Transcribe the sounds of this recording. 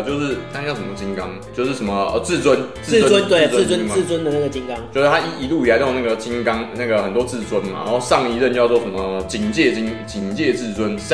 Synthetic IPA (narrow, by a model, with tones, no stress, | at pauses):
t͡ɕjo˥˧ʊʂɻ̩˥˩t̪ʰa˥jʂə˧˩mə˨˩t͡ɕi˦˥ŋkɑ˦ŋt͡ɕjo˥˧ʊʂɻ̩˥˩ʂə˨˦mə˩˧˩t͡sɹ̩˥˧t͡swə˦nt͡s̩˥˨˥ə˥ə˦t̪we˥˨˩t͡sə˥˧t͡sə˦˥n̩˨˥˨t͡swə˦˥nd̪ə˨na˥˩ɡə˩t͡ɕi˦ŋkɑ˦ŋt͡ɕjo˥˧ʊʂɻ̩ʰ˥˩a˥i˥i˧˥lu˥˩i˨la˧˦˥na˥˩ɡə˩t͡ɕi˦˥ŋkɑ˥ŋna˥˩ɡə˩xə˨˩nt̪̬wɔ˦t͡sɹ̩˥˩t͡swə˦˥nma̰˨˩na˨˦o˥˧ʂɑ˥˨ŋi˧˥ɻə˥˧nt͡ɕjʊwɔ˩ʂə˦mə˨˩t͡ɕi˨˩ŋt͡ɕjɛ˥˩t͡ɕi˦˥ŋt͡ɕi˨˩ŋt͡ɕjɛ˥˧t͡sɹ̩˥˩t͡swə˦n